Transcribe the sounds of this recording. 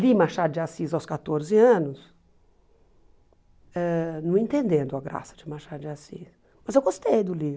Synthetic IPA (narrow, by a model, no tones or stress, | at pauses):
limaʃad̪ʊd͡ʒɪasizawskat̪oɾzɪɐ̃nʊs | ɛnɐ̃w̃ẽnt̪ẽnd̪ẽnd̪ʊɐɡɾa̰sɐ̥d͡ʒɪmaʃad̪ʊd͡ʒɪasḭs | mɐzewɡost̪ejd̪ʊli